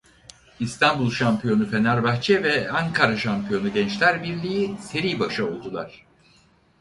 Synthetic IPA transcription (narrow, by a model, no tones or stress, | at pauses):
ist̪ʰanbulˠʃampʰijo̞nufe̞næɾbaxt͡ʃʰɛvɛaŋkʰaɾaʃampijo̞nuɟɛnt͡ʃlʲæɾbiɾlʲijiseɾijbaʃɯo̞lˠd̪ulˠaɾ̥